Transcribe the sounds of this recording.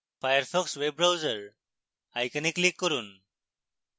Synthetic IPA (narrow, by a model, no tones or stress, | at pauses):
fajəɾpʰɔksweb̚ɾawzəɾ | ajkəniklikːɔɾun